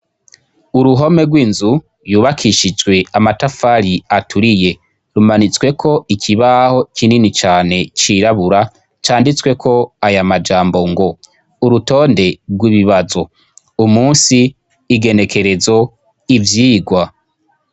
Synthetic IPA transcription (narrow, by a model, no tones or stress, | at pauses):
uɾuɦo̞me̞ɡwiːnzu | ɾjuːβakʰiʃid͡ʒwe̞amatafaɾiatʰuɾije̞ | ɾumanit͡swe̞kʰo̞ikʰiβaho̞kʰininit͡ʃaːne̞t͡ʃiɾaβuɾa | t͡ʃaːndit͡swe̞kʰo̞ajamad͡ʒaːmbo̞ŋɡo̞ | uɾuto̞ːnde̞ɡwiβiβazo̞ | umuːnsiː | ɡe̞ne̞kʰe̞ɾe̞zo̞ | ivjiːɡwa